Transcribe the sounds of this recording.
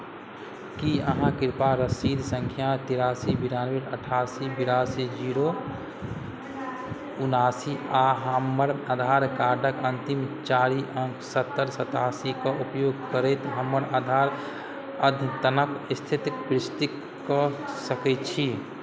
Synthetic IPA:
kiə̰ɦãkɪɾpaɾəsiːd̪ʱsə̃ŋkʰjat̪iɾaːsibiɾaːnʋeʈəʈʰaːsibiɾaːsid͡ʒiːɾo | unaːsiaɦəməɾad̪ʱaːɾkaːɾɖʱəkənt̪imt͡ʃaːɾiʔə̃ŋkʰsət̪ːəɾsət̪aːsikaʔupjoːɡkəɾɛt̪ɦəməɾad̪ʱaːɾ | əd̪ʱt̪ənəkst̪ʰit̪pɾɪst̪i | kɔsəkɛt͡ʃʰi

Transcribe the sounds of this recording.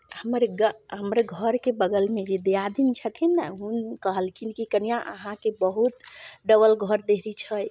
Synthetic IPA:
həməɾɡəɦəmɾeɡʱəɾkebəɡəlmed͡ʒed̪ead̪int͡ʃʰət̪ʰinːaɦunkəɦəlkʰinkikənijãʔəɦãkebəɦut̪ɖəβəlɡʱəɾd̪eɦɾit͡ʃʰəj

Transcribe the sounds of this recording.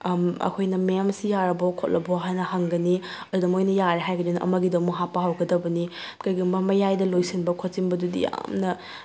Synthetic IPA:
mɐ̰kʰojnɐmemsijaɾɐbɔkʰot̚lɐbɔɦajnɐhɐŋɡɐni | ɐdudɐmojnɐjaɾeɦajɡɐdunɐʔɐ̰mɐɡidɐmuɦapːɐɦawɡɐdɐbɐni | kɐjɡimɐmɐjajdɐlojsinbɐkʰot̚t͡ʃinbɐdudḭja̰mnɐ

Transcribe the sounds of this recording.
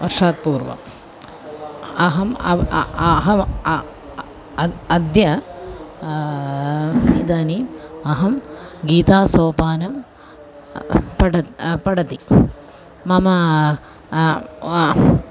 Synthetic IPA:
ʋɐɾʂaːt̪̚puːɾʋɐ̰ | ɐɦɐmɐɦɐ | ɐd̪jɐ | id̪aːniɐɦɐmɡiːt̪aːsoːpaːnɐm | pɐɖɐpɐɽɐt̪iː | ɐmɐ

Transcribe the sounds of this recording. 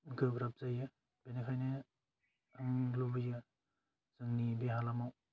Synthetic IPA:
ɡɯɡɾap̚zajɯ | b̥enekʰajne | aŋlobija | z̥ɯŋnibeɦalamaw

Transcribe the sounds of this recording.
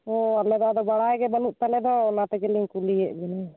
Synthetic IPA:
oalɛd̪ɔd̪ɔbaɽajɛɡɛbənuʔt̪alɛd̪ɔːnat̪ɛkɛliŋkuliɛʔbɛnɛ

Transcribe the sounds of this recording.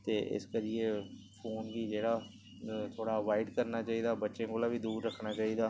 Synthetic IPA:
t̪eːʔɪ̰skəɾɪeːpʰoːnʋiːd͡ʒeːɽaː | t̪ʰoːɽaːəʋaːɪɖkəɾnaːt͡ʃaːiːd̪aːbətːʃẽːkoːlaːʋiːd̪uːɾɾəkʰnaːt͡ʃaːiːd̪aː

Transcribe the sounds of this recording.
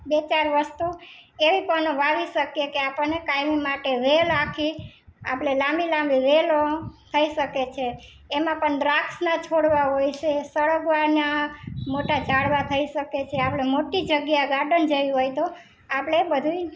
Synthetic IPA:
bet͡ʃaɾʋəst̪ueʋipənoʋaʋiʃəkjekeapəɳnːekajmimaʈeʋelakʰia̰pɭelãmbilãmbiʋelot̪ʰəiʃəket͡ʃʰeː | mãpəɳɖɾaksnat͡ʃʰoɽʋaɦojt͡ʃʰesəɭəkʋanamoʈad͡ʒaɽʋat̪ʰəiʃəket͡ʃʰeapɭ̃emoʈid͡ʒəɡjaɡaɖənd͡ʒəjɦojt̪o | apɽ̃ebəd̪ʱui

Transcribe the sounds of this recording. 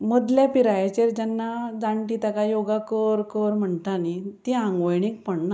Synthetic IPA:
mod̪ljapiɾajat͡ɕeɾd͡ʑɛnːad͡zaɳʈit̪akajoɡakəɾkəɾm̤əɳt̪anit̪iãŋɡʋəjɳik̚pəɳna

